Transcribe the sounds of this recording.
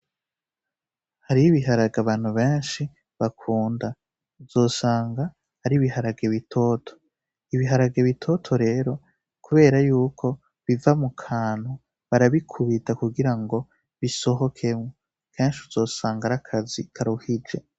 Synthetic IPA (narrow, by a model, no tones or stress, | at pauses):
haɾiβiɦaɾaɡaβaːn̥huβeːnʃi | βakʰuːnda | z̥o̞ːsaːŋɡa | haɾiβihaɾaɡe̞βitʰo̞ːtʰo̥ | iβiɦaɾaɡe̞βitʰo̞tʰo̞ɾe̞ɾo̞ | kuβe̞ːɾajuːkʰo̞ | βivamukʰaːn̥hu | βaɾaβikʰuβitakuɡiɾaŋɡo̞ | βiso̞ɦo̞kʰe̞mŋo | kʰeːnʃuzo̞ːsaːŋɡaɾakʰazikʰaɾuhid͡ʒe̞